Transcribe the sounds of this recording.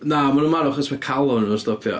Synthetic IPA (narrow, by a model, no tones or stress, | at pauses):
namanunmaɾʊχəsmakʰalˠɔnənɔstɔpʰjɔ̰